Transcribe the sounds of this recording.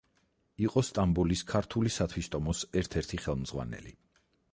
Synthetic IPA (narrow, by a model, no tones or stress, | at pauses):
iqʼɔst̪ʼambuliskʰaɾt̪ʰulisat̪ʰwist̪ʼɔmɔsɛɾt̪ʰɛɾt̪ʰiχɛlˠmzʁwa̰nɛ̰li